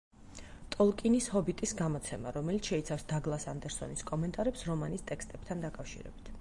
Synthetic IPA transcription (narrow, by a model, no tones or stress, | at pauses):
t̪ʼɔlˠkʼinishɔbit̪ʼisɡamɔt̪sʰɛma̰ɾɔmɛlit̪ʰʃɛit̪sʰafsd̪aɡlˠasand̪ɛɾsɔ̰niskʼɔmɛnt̪ʼaɾɛpsɾɔmanist̪ʼɛkst̪ʼɛb̥t̪ʰand̪akʼafʃḭɾɛ̰bit̪ʰ